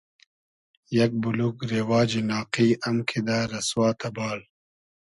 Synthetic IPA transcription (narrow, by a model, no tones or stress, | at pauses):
jɐk̚bulukɾeːwaːd͡ʒinaːqiːɐmkʰid̪aːɾɐswaːt̪ɐbaːl